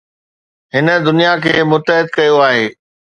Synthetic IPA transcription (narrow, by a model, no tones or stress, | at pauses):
ɦɪnə̆d̪ʊnijakʰeːmʊt̪əɦɪd̪kɐjoaːɦeː